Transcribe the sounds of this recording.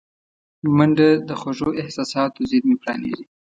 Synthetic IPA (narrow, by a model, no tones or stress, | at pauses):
maɳɖad̪əxoʐoʔɪhsɑsɑt̪ozɪd̪mipɽɑ̰nḛzi